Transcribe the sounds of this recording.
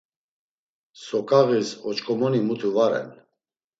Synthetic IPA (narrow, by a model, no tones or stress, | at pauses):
sɔkʼaɣisɔt͡ʃkʼɔmɔnimut̪ʰuvaɾɛ̰n